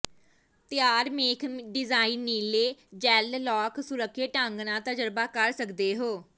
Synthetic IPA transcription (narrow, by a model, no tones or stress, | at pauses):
t̪ɪjaːɾmeːkʰɖɪzaːiːnːiːleːd͡ʒɛːllɔːksʊɾəkʰːeːʈãŋɡnãːt̪əd͡ʒəɾbaːkəɾsəkd̪eːɦoː